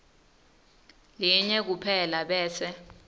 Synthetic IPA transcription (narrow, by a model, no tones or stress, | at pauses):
liɲɛk̬upʰɛlaɓɛːsɛ